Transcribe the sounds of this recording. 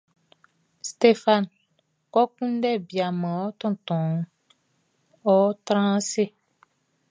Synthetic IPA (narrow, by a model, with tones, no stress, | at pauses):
st̪e˦fa˦n | kɔ˦kũ˦n˦ɖɛ˦˨bi˨a˨mɛ̃˨wɔ˦t̪ɔ̃˦˨t̪ɔ̃˨˦ | ɔ˦t̪ɾã˦se˦